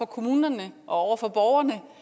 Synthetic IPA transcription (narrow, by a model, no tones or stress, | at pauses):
ɒ̽kʰo̝muːnɐnəʔɒ̽ɒʊ̰ɐfɒ̽b̥ɒʊɐnə